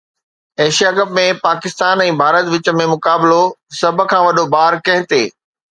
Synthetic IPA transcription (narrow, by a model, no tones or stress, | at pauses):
eːʃijaːkɐpmẽpaːkɪst̪aːnɛ̃ːbʱaːɾət̪ʋɪt͡ɕə̆mẽmʊkaːblosɐbʱkʰãːʋɐɗobaːɾkɐ̃ɦɪ̃t̪eː